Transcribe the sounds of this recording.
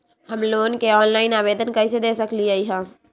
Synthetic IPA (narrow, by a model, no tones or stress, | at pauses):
həmloːnkeɔːnlaːɪnaːʋeːd̪ənkɐised̪eːsɐkliaiɦɛ̃ː